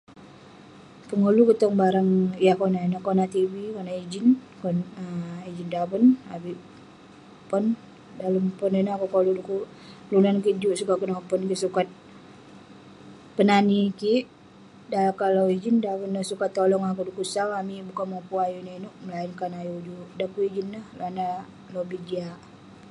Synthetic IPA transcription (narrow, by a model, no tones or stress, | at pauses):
pəŋulukət̪ɔŋbaɾaŋjakonainokonat̪ibikonaid͡ʒinkonəid͡ʒindabənabiʔ | pɔn | daləmpɔnenoakukoluduku | lunankiʔd͡ʒuʔsukaʔkənɔpɔnkisukat̪̚ | pənanikiʔ | dakaloid͡ʒindaβənːəhsukat̪ːolɔŋakudukusaŋamibukanmopuajunainuʔməlainkanajud͡ʒuʔdakuid͡ʒinːəhlana | lobid͡ʒiaʔ